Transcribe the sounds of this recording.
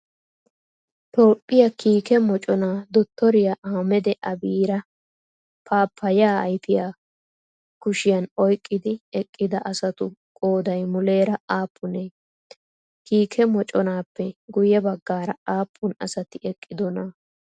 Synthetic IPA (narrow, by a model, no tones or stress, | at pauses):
t̪o̞ːpʼːɪjɐkiːkɛmɔt͡ʃʼɔnaːd̪ɔt̪ːɔɾɪjaʔaːmɛd̪ɛʔɐbiːɾɐ | pʰaːpʰːɐja̰ːjfɪjaː | kʊʃɪjɐnɔjkʼːɪd̪ɪɛkʼːɪd̪ɐʔɐsɐt̪ʊkʼoːd̪ɐjmʊle̞ːɾɐaːpʰːʊneː | kiːkʰɛmɔt͡ʃʼɔnaːpːɛɡʊjɛbɐɡːaːɾɐaːpʰːʊnɐ̰sɐt̪ɪʔɛkʼːɪd̪ɔnɐ